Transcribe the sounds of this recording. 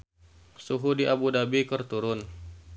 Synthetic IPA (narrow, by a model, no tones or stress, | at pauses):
suɦudiʔabudabikərt̪uɾʊn